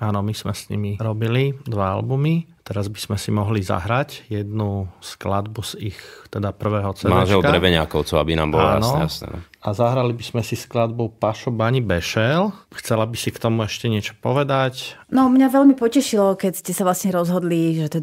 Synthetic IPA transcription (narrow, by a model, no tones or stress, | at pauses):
aːnɔmiz̥mɛsɲḭmiɾɔbilid̪ʋaa̰lbumit̪ɛɾazbiz̥mɛsimɔɦliza̰ɦɾacjɛd̪nusklad̪buzixt̪ɛd̪apr̩ʋɛːɦɔt͡sɛmaanʒɛldkaɾɾɛbɛɲa̰kɔʊt͡sɔʊa̰bina̰ːmbɔlɔ̰a̰a̰nɔasnɛ̰nɔ̰azaɦɾalibizmɛsisklad̪bɔʊpaʃɔbaɲibɛʃɛlxt͡sɛlabisikt̪ɔmuɛʃcɛɲɪɛt͡ʃɔ̥pɔʋɛd̪acnɔmɲaʋɛʎmipɔcɛʃilɔkɛcscɛsaʋlasɲɛɾɔzɦɔd̪liʒɛt̪ɛ